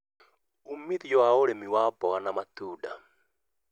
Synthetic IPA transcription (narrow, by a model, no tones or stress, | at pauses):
umiðjɔwaoɾemiwaːbɔɣanamatuːda